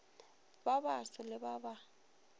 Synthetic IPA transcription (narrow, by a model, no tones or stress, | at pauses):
babasɔlɪbaba